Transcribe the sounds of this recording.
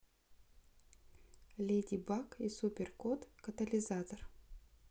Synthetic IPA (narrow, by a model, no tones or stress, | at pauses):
lʲedʲibakisupʲɪrkot̪kɐt̪əlʲɪzat̪ər